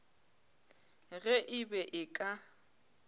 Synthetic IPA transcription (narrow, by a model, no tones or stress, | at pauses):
ɣɛʔɪbɛʔɪkʼa